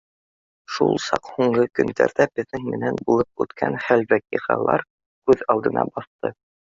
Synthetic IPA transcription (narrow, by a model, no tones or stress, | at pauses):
ʃṵlˠsɑqhuɴɢɤkɵ̆nd̪æ̰ɾðæbɘ̆ðɘŋmɘ̆nænbulˠɤp̚ʉ̰t̪kʰænχælbækiqɑ̰lˠɑ̰ɾ | kʉðɑlˠd̪ɤ̆nɑ̰bɑθt̪ɤ